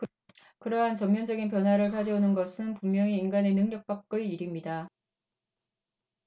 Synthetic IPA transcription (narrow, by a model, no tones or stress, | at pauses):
kɯɾʌɦant͡ɕʌmmjʌnd͡ʑʌɡinp̬jʌnwaɾɯɭkad͡ʑʌonɯnɡʌsʰɯnpummjʌŋiːŋɡane̞nɯŋɲʌk̚p͈ak̚k͈ɯɭiɾimɲida